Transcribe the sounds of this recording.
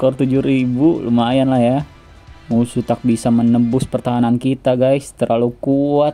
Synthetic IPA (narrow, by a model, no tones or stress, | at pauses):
kɔrt̪ud͡ʒuɾibulṵmaːjanlahja | musut̪ak̚bisamənəbʊspərt̪aɦanankit̪aɡajst̪əɾalukuat̪̚